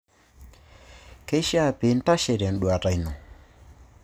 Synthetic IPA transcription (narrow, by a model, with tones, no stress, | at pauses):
ke˦ʃa˦˨pi˨˦n̩˦ta˦ʃɛ˨ɾa˨n̩˨ɗu˨a˨ta˨i˨nɔ˨